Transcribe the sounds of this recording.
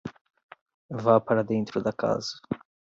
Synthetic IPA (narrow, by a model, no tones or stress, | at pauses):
vapaɾɐd̪ẽnt̪ɾʊd̪ɐka̰zɐ